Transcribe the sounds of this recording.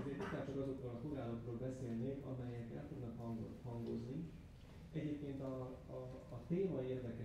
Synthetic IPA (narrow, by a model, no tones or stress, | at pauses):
uzeːt̪ik̪aːt̪ːoɾɒzokrɔlɒt̪oɡaːlokroːlbɛseːlneːkɒ̰mɛjɛk̪ɛ̰lt̪ud̪nɒkɦɒŋɡo̰hɒŋɡozni | ɛɟeːp̚keːnt̪ɒː | t̪eːmɒieːrd̪ɛkɛ